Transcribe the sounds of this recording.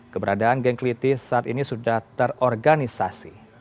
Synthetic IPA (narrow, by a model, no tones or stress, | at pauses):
kəbəɾadaanɡɛŋklit̪isaːt̪inisudaht̪ərɔrɡanisasi